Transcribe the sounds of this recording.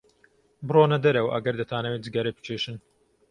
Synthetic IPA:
bɨroːnɐd̪ɐɾɐwʔɐ̰ɡɐɾd̪ɐt̪ʰaːnɐwed͡zɨɡaɾepɨ̥t͡ʃʰeːʃɨn

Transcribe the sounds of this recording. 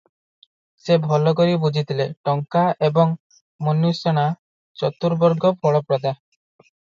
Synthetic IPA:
sebʱɔlɔkoɾibud͡ʒʱit̪ʰileʈɔŋkaʔebɔŋ | monjuseɽ̃a | t͡ʃɔt̪uɾbɔɾɡɔbɔɭɔpɾɔd̪aɦ

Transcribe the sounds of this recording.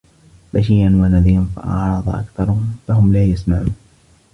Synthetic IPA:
baʃiːʔanwanaðiːanfa̰ʔɑ̰ʕɾˤɑðˤʔa̰kθɑɾˤfaɦʊmlaːjasmaʕuːn

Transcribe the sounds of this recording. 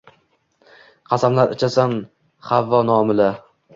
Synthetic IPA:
qʰɑsamlaɾɪt͡ʃʰasan | χavːɒnɒmɪla

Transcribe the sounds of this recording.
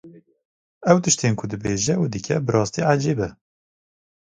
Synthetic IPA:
ɛwt̪ɨʃt̪eːnkʰʊd̪ɨbeːʒɛud̪ɨkʲʰɛ̰bɨɾʔɑːst̪iːʕad͡ʒeːbɛ

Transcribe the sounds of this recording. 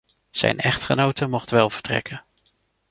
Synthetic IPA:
z̥ɛ̰jnɛχtχənowtəmɔχtʋɛlˠvə̥ɹtrɛ̰kə

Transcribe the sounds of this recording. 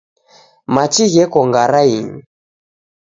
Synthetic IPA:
mat͡ʃiɣɛkɔŋɡaɾaiɲi

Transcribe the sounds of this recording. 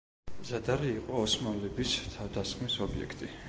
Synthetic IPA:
mzad̪aɾiːqʼɔɔsmanlɛbist̪ʰavd̪asχmisɔbiɛ̰kʰt̪ʼi

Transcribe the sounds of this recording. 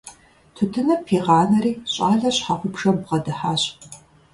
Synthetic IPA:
tʰʊtʰɨnɐpʰeːʁɑːnɐɾiːɕʼaːɮɐɕħaʁʷʊpʂɐbʁɐdɨħaːɕʼ

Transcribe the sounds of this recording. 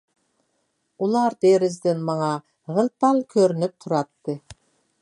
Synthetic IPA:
ulˠɑɾd̪eɾɪzd̪enmɑɴɑ | ʁə̆lˠpɑlˠkʲʰøɾynyp̚t̪ʰʊɾɑt̪ːɨ

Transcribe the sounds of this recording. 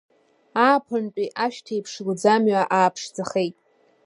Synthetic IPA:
aːpʰʊnt͡pʼiʔaʃtʰejpʰʂɡʷd͡zamɥaʔaːpʰʂd͡zaχejtʼ

